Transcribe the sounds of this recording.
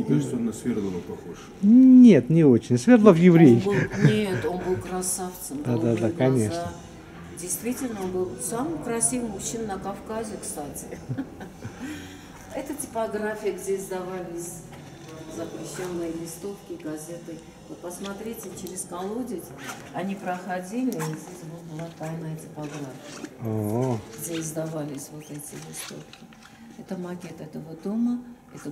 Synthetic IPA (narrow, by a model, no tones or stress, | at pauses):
nʲɪkaɨt̪t̪oɐnasfʲeɾd̪ɨlˠapɐxoʐ | nʲe̞t̪nʲɪo̞t͡ɕɪnʲsvʲerd̪lˠəvjɪvɾʲejɪfbɨlˠnʲet̪o̞nbɨlˠkɾɐsaft̪səmd̪ad̪ad̪akɐnʲe̞d̪ʂna | dʲejst̪vʲitʲɪlʲnəonbɨlˠsamɨxkɾɐsʲivmʊɕːinːəkɐfkazʲɪkst̪atʲɪ | ɛt̪ətʲɪ̥pɐɡrafʲɪjəɡdʲezd̪ɐvalʲɪsʲ | zəpɾʲɪɕːo̞nːɨjəlʲɪst̪o̞fkʲɪɡɐzʲe̞t̪ɨ | vot̪̚pəsmat̪ɾʲitʲɪt͡ɕɪɾʲɪskɐlˠodʲɪt̪ʲ | ɐnʲipɾəxadʲilʲɪizʲdʲesʲbot̪bɨlˠat̪ajnəjətʲɪ̥paɡɾafʲɪjə̰oɦoɡʲdʲezd̪avalʲɪsʲvo̞t̪ɛtʲɪlʲɪst̪o̞̰fkʲɪ | ɛt̪əmɐkʲe̞t̪ɛt̪əvot̪omə | ɛt̪ə